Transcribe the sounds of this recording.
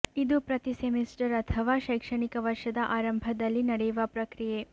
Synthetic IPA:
id̪upɾɐt̪isemisʈɐɾɐt̪ʰɐʋaːʃɐjkʂɐɳikɐʋɐɾʂɐd̪ɐʔaːɾɐmbʱɐd̪ɐlːinɐɽɛjuʋɐpɾɐkɾije

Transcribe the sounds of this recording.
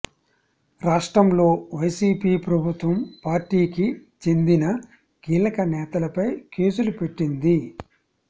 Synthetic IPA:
ɾaːʂʈɾɐmlo̞ːʋɐjsiːpiːpɾɐbʱut̪ʋɐmpaːɾʈiːkit͡ʃe̞nd̪inɐ | kiːlɐkɐnɛːt̪ɐlɐpɐjke̞ːsulupe̞ʈːind̪i

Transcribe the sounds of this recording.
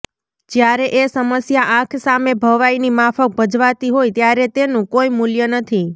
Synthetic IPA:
d͡ʒjaɾeʔesəməsjaʔãkʰsamebʱəʋainimafək̚bəd͡ʒʋat̪iɦojt̪jaɾet̪enũkoimuljənət̪ʰi

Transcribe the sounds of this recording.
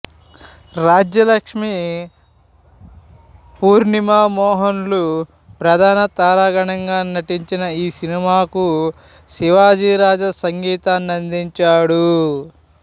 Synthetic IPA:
ɾaːd͡ʒjɐlɐkʂmi | puːɾnimaːmɔːɦɐnlu | pɾɐd̪ʱaːnɐt̪aːɾaːɡɐɳɐŋɡaːnɐʈiɲt͡ʃinɐiːsinimaːku | siʋaːd͡ʒiːɾaːd͡ʒɐsɐŋɡiːt̪aːnɐnd̪iɲt͡ʃaːɽu

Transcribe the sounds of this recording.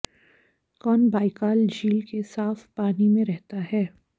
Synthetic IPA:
kɔːnbaːikaːld͡ʒiːlkesaːfpaːnimẽɾɛɦt̪aɦɛː

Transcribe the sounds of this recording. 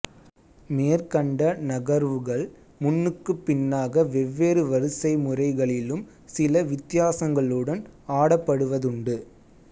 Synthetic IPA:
meːɾkɐɳɖɐnɐɣɐɾʋɯɣɐɭ | mʊnːɯkːɯpːɪnːaːɣɐʋɛʋːeːɾɯʋɐɾɯsɐɪmʊrɐɪɣɐɭɪlɯm | sɪlɐʋɪt̪ːɪjaːsɐŋɡɐɭɯɽɐnaːɽɐpːɐɽɯʋɐðʊɳɖɯ

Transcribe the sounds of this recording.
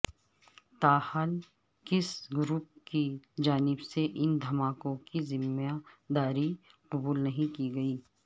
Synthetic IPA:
t̪aːhaːl | kɪsɡʊɾup̚kid͡ʒaːnɪbseʔɪnd̪ʱɐmaːkõkizɪmad̪aːɾiqʊbuːlnɐɦĩkiɡɐiː

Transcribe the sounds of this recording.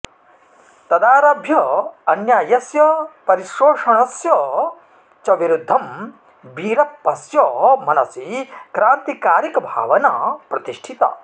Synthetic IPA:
t̪ɐd̪aːɾɐbʱjɐɐnjaːjɐsjɐpɐɾiʃɾoːʂɐɳ̃ɐsjɐ | t͡ʃɐʋiɾud̪ʱːɐm | biːɾɐpːɐsjɐmɐnɐsikɾaːnt̪ikaːɾikɐbʱa̰ːʋɐna̰pɾɐt̪iʂʈʰit̪ɐ̰

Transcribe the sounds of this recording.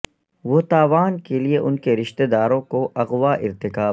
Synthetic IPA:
ʋot̪aːʋaːnkelieʔʊnkeɾɪʃt̪ed̪aːɾõkoʔɐɣʋaʔɪɾt̪ɪkaː

